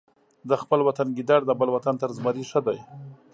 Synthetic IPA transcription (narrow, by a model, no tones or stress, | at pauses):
d̪əxpəlwat̪anɡid̪aɽd̪əbəlwat̪ant̪əɾzmaɾiʂəd̪aj